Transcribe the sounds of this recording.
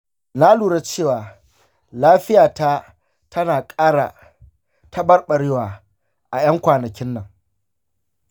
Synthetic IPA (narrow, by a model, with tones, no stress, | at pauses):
na˦luː˨ɽa˦t͡ʃeː˦˨waː˨ | laː˦ɸɪ˦jaː˨ta˦ | tʰɐ˦naː˨kʼaː˦ɽa̰˨ | tʰa˦bɐ˦rɓɐ˨ɽɪ˦waː˨ | ʔa˨j̰ɐ˦ŋkʷaː˨nɐ˨kʲɪ˦nːɐ˨ŋ